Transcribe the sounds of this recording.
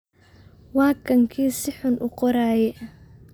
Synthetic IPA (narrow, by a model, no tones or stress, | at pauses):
wɑːkʰɐŋkʰiːsɪħʊnʔʊqɔɾaːjɛ